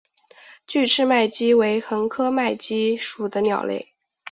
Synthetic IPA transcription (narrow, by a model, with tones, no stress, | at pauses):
t͡ɕy˥˧ʈ͡ʂʰɻ̩˥˧ma˥˩ɪt͡ɕi˥we˧˥ɪxə˧˥ŋkʰɤ˥ma˥˩ɪt͡ɕi˥ʂu˨˩d̪ə˦njɑ̰˨˩ʊlḛ˥˩ɪ